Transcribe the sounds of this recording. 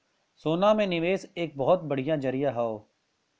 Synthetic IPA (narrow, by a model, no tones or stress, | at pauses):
soːnamẽnɪʋeːseːk̚bɔɦɔt̪̚bɐɽ̤ijãd͡ʒɐɾijaɦaoː